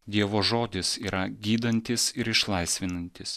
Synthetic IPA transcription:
d̪ʲiɛʋoːʒoːd̪ʲɪsiːɾɐɡʲiːd̪ɐnʲt̪ʲɪsɪɾɪʃlˠɐɪsʲʋʲɪnɐnʲt̪ʲɪs

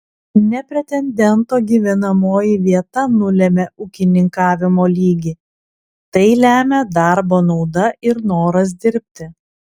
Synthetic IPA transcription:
nʲɛpʲɾʲɛt̪ʲɛnʲd̪ʲɛnt̪oːɡʲiːʋʲɛnɐmoːjɪʋʲiɛt̪ɐnʊlʲɛmʲɛʔʊːkʲɪnʲɪŋkɑːʋʲɪmoːlʲiːɡʲiː | t̪ɐɪlʲæːmʲɛd̪ɑˑɾboːnɒʊd̪ɐʔɪɾnoːɾɐs̬d̪ʲɪɾʲpʲt̪ʲɪ

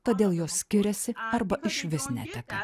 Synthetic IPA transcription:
t̪oːd̪ʲeːlˠjoːssʲkʲɪɾʲɛsʲɪɐɾbɐʔɪʃʲʋʲɪsnʲæ̰t̪ʲɛkɐ

